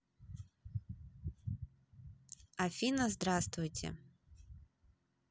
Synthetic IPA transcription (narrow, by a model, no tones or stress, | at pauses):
ɐfʲinɐzd̪ɾast̪vʊjtʲʰɪ̰